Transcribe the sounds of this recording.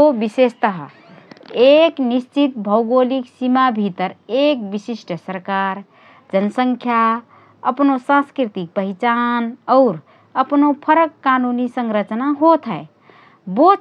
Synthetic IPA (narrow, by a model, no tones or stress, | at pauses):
obisest̪əɦə̰ | eknist͡ʃit̪̚bʱəʊɡoliksimabʱit̪əɾek̚bisisʈʰsəɾkaɾ | d͡ʒənsəŋkʰja | əpnosãnskɾit̪ik̚pəɦit͡ʃanɔʊɾ | əpnopʰəɾəkːanunisəŋɾət͡ʃnaɦot̪ʰɦəe | bo